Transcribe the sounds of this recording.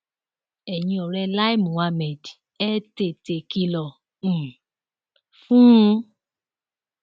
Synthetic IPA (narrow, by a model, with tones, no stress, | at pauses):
ɛ˨ɲĩ˧ɔ˨ɾɛ˧la˦i˦mũ˨a˧mɛ˨d | ɛ˦te˨te˨ki˧lɔ̃˨ | fũ˦˧